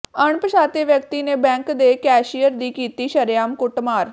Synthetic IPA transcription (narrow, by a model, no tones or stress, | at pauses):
əɳpəʃaːt̪eːʋjəkt̪iːneːbɛ̃ːŋkd̪eːkɛːʃijəɾd̪iːkiːt̪iːʃəɾjaːmkʊʈmaːɾ